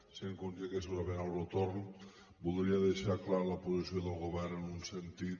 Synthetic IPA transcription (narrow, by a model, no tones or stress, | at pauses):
seŋkond͡ʒeɣesuɾaβenawɾot̪oɾn | buld̪ɾiaðeʃaɾklaɾlapozisjoðelˠɣoβɛɾnenunsent̪i